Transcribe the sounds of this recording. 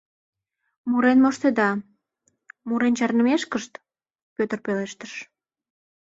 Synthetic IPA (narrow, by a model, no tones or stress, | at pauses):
muɾenmoʃt̪ed̪ɑ | muɾent͡ɕɑrnəmeʃkəʃt̪ | pøt̪ərpeleʃt̪əʃ